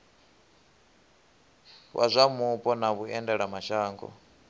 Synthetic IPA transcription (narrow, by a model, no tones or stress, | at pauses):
wʔa̰zʷamupʼɔnaβuɛndɛɺamaʃaːŋɡɔ̰